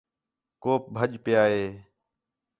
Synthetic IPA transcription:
koːp̚bʱəʄpɪjaːɦeː

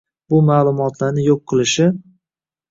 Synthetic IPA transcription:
bʊmaːlˠʊmɒt̪ʰlaɾnɪjoqʰːɨlˠɪʃɪ

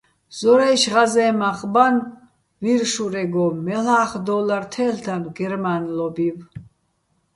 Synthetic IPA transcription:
z̥ɔɾɛjʃʁazɛːmaχʼban | viɾʃuɾɛɡɔɛlaːχd̪ɔlaɾt̪ʰɛːlt̪ʰanɡɛɾmanlɔbiv

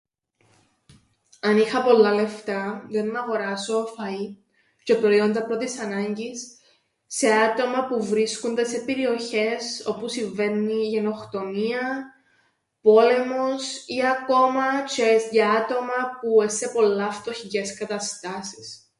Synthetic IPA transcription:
ɐnixɐpo̞lːɐle̞ft̪ɐðenmɐɣo̞ɾɐso̞fɐi | ce̞pɾo̞io̞nd̪ɐpɾo̞t̪isɐnɐɲɟisː | e̞at̪o̞mɐpuvɾiskund̪esepeɾio̞çe̞so̞pusiɱve̞nːiʝe̞no̞xt̪o̞miɐ | po̞le̞mo̞siɐko̞mɐt͡ʃeezʝɐat̪o̞mɐpuese̞po̞lːɐːft̪o̞çice̞skɐt̪ɐst̪ɐsi̥s

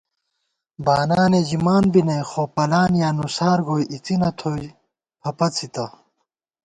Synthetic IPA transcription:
baːnaːned͡ʑimaːnbinɐjxoːpɐlaːnjaːnusaːɾɡoːjʔit͡sinɐt̪ʰoj | pʰɐpɐt͡sʰit̪ɐ

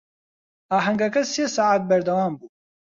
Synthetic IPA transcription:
aːɦɐŋɡɐkɐseːsaːaːt̪̚bɛɾd̪ɐwaːmbuː

